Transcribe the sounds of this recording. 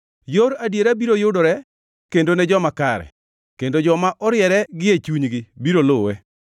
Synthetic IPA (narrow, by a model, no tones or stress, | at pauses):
joɾadjeɾabiɾojʊdoɾɛ | kendonɛd͡ʒɔmakaɾɛ̰ | kendod͡ʒɔmaʔɔɾjɛɾɛɡɪet͡ʃuɲɡɪbiɾolʊwe